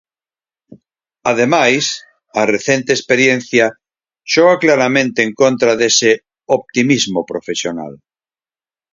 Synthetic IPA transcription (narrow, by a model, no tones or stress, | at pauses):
að̞emajs | areθent̪eːspeɾjẽn̟θja | ʃoɣaklaɾamẽnt̪eːŋkõnt̪ɾaðese | op̚t̪imizmopɾofesjona̰l